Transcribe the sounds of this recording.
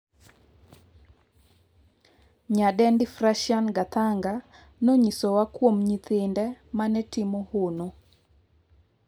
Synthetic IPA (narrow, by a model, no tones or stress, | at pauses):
ɲadɛndɪfraʃanɡat̪aŋɡa | noɲisowakwomɲit̪ɪndɛmanɛtɪmɔhono